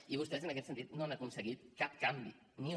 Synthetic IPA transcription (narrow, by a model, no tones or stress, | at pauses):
iβ̞ust̪ɛzənəkɛt̪sənt̪it̪noanəkunsəɣit̪̚kap̚kambḭ | niu